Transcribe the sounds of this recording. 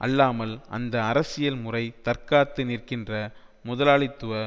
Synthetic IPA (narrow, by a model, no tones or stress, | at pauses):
ʔɐ̰lːaːmɐlʔɐ̰nd̪ɐɐɾɐsɪjɐlmʊrɐɪt̪ɐrkaːt̪ːɯniːrkɪndrɐmʊðɐlaːɭɪt̪ːɯʋɐ